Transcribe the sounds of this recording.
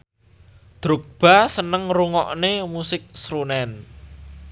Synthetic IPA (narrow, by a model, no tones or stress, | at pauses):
d̪̥ɾuk̚b̥a̤sənəŋruŋɔʔnemusɪk̚sɾunɛn